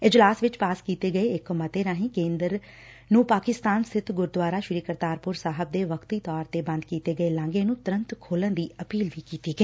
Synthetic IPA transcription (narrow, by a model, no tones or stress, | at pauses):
ɪd͡ʒlaːsʋɪt͡ʃpaːskiːt̪eːɡəeːɪkmət̪eːnaːɦĩːkẽːnd̪ɾ | nũːpaːkɪst̪aːnsɪt̪ʰɡʊɾd̪ʋaːɾaːʃɪɾiːkəɾt̪aːɾpʊɾsaːɦəb̚d̪eːʋəkʰt̪iːt̪ɔːɾt̪eːbə̃nd̪kiːt̪eːɡəeːlãːŋɡeːnũːt̪ʊɾə̃nt̪kʰoːlənd̪iːəpiːlʋiːkiːt̪iːɡəeː